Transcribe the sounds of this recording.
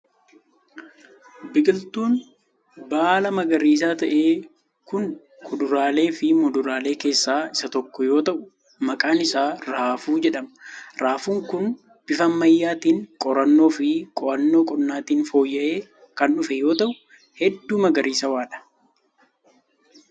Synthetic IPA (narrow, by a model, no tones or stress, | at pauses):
bɪɡʼɪlt̪uːn | baːlɐmɐɡɐɾiːs̬aːt̪ɐʔe̞ː | kʊn | kʰʊd̪ʊɾaːle̞ːfɪmɔd̪ʊɾaːle̞ːke̞ːsːaːɪsɐt̪ɔkːɔjo̞ːt̪ɐʔʊ̥ | mɐkʼaːnɪsaːɾaːfuːd͡ʒɛᶑɐmɐɾaːfuːŋkʊn | b̥ɪfɐːɐjːaːt̪iːŋkʼɔɾɐnːo̞ːfɪkʼɔʔɐnːo̞ːkʼɔnːaːt̪iːnfo̞ːjːɐʔe̞ː | kɐnɗʊfɛjo̞ːt̪ɐʔʊ | hɛd̪ːuːmɐɡɐɾiːsɐwaːᶑɐ̥